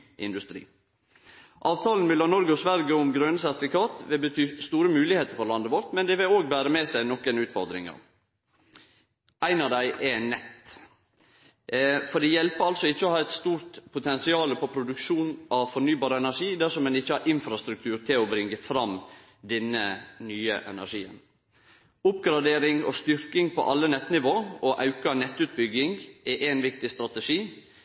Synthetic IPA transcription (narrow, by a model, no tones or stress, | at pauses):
ʔɪ̰nd̪ʉst̪ɾḭː | ʔɑːʋt̪ʰɑːln̩ʋɪlɑnɔɾɡəɔsʋæɾɡəɔmɡɾœnəsæɾt̪ɪfɪkɑːt̪ʋɪlbət̪ʰyːst̪uːɾəmʉːlɪheːt̪əɾfɔɾlɑnd̪əʋɔɾt̪mɛnd̪ɛʋɪloːɡbæːɾəmɛsæɪnɔkːənʉːt̪fɔɾd̪ɾɪ̰ŋɑ̰ | ʔæɪnɑʋd̪æɪʔɛnɛt̪ː | fɔɖ̪ɛjɛlpəɾɑlsɔɪçːəɔhɑːæɪt̪st̪uːɾt̪pʰʊt̪ʰɛnsɪɑːləpɔpʰɾʊd̪ʉkʃuːnʔɑʋfɔnyːbɑːɾəɛnæʂiːd̪æsɔmɛnɪçːəhɑɾʔɪnfɾɑst̪ɾʉkt̪ʰʉːɾt̪ʰɪlɔbɾɪŋːəfɾɑm | d̪ɛnːənyːə̰ʔɛ̰næ̰ʂiːə̰n | ʊpɡɾɑd̪eːɾɪŋɔ̰st̪ʏɾkɪŋpʰɔ̰ʔɑlːənɛt̪ːnɪʋoːɔʔɑʉkɑnɛt̪ːʉːt̪̚bʏɡɪŋʔɛʔænʋɪkt̪ɪst̪ɾɑt̪əʂiː